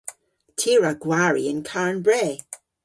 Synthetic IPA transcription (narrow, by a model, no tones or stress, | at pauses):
tʰiːɹaɡwaɹiɪnkʰaɹnbɹɛː